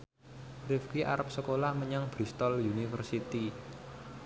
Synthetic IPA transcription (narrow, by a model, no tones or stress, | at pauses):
rɪfkiʔa̰ɾəp̚səkolahməɲaŋb̥ɾist̪ɔljunifərsit̪i